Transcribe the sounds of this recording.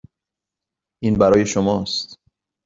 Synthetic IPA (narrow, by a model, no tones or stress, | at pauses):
ʔiːnbæɾɒːje̞ʃomɒːst̪